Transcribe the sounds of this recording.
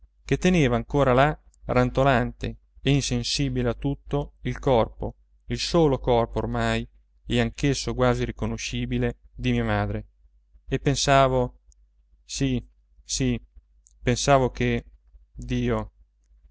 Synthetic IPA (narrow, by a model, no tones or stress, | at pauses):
k̟et̪ːeneːvaːŋkoːɾala | rant̪olant̪eː | insensiːbileat̪ːut̪ːoilkɔrpo̰ | ilsoːlokɔrpoːrmaj | ɛaŋkesːoɡwaːziɾikonoʃiːbiled̪imiamaːd̪ɾe | epːensaːvo | si | si | pensaːvoke | d̪iːo